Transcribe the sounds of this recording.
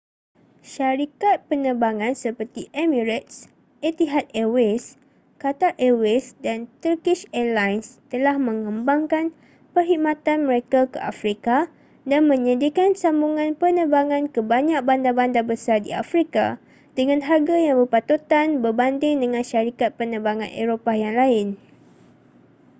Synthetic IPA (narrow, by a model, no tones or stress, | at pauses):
ʃaɾikat̪̚pənəbaŋãnsəpərt̪iʔemĩɾɛt̪̚s | et̪iɦat̪̚ewes | kat̪aʔewɛsdant̪ərkɪʃɛlajnst̪əlahmə̃ŋə̃mbaŋkan | pərɦit̚mãt̪anmə̃ɾekakə̰ʔa̰fɾika | danmə̃ɲadikansambuŋãnpənəbaŋãnkəbaɲãk̚bandabandabəsardḭa̰fɾika̰ | d̥əŋãnɦarɡajaŋbərpat̪ut̪anbərbandɪŋdəŋãnʃaɾikat̪̚pənə̃baŋã̰nʔḛɾopajaŋlaɪn